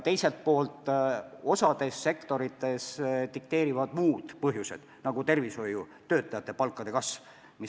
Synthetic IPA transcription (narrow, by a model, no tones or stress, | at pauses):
t̪e̞jse̞lt̪̚po̞ːlt̪ːˑo̞sɑd̪̥e̞sːe̞kt̪o̞ɾit̪ːˑe̞st̪ik̚t̪e̞ːɾivɑd̪̥muːd̪̥pɤɦjuse̞̰d̪̥nɑɡ̥ut̪e̞rviso̞ju | t̪øːt̪ːˑɑjɑt̪ːˑe̞pɑlkːˑɑd̪̥e̞kɑs | mi